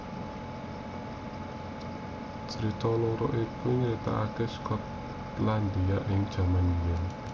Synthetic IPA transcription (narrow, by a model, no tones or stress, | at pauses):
t͡ʃt͡ʃəɾit̪ɔlɔɾɔʔipʊɲɾit̪a̰ʔakɛskʰɔt̪ | land̪iaʔɪŋd̥ʒ̥a̤manijan